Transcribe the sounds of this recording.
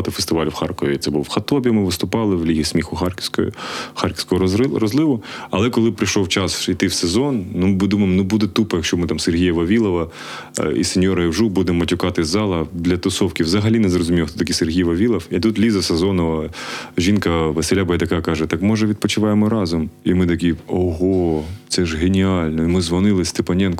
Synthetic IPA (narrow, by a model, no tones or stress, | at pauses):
t̪ɪfest̪ɪʋɑlʲwxɑrkɔʋʲit̪sɛbuxɐt̪ɔbʲjɐmɪʋɪst̪ʊpɑlˠɪʋlʲiɦʲismʲixʊxʲkj̰xɑrkʲɪ̥skɔɦɔrɔzlˠɪʋʊɐlˠɛkɔlˠɪpɾɪʃɔwt͡ʃɑsit̪ɪwsezɔnnumɪd̪umɐjɪmnʊbud̪ɛt̪upɐjɐkʃt͡ʃɔmɪt̪ɑmserɦʲijɐʋɐʋʲilˠɔʋɐ | ḭsenʲjɔɾɐiwʒubud̪ɛmːɐtʲʊkɑt̪ɪzɑlˠɐd̪lʲɐt̪ɔsɔwkʲiwʋzɐɦɐlʲinɛzrɔzʊmʲijɔxt̪ɔt̪ɐkʲiserɦʲijʋɐʋʲilˠɐwit̪ut̪lʲizɐsezɔnɔʋɐʒinkɐʋɐselʲabɐjɛd̪ɐkɑkɑʒɛt̪ɑkmɔʒɛʋʲid̪̚pɔt͡ʃɪʋɑjemɔɾɑzɔmimɪt̪ɐk̬ʲiɔɦot̪sɛʒɦenʲiɑlʲnɔimɪzʋɐnɪlˠɪsʲt̪ɪpɐnʲɛnk